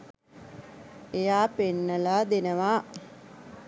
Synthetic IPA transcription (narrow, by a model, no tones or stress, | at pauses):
ejaːpenːəlaːd̪enəʋaː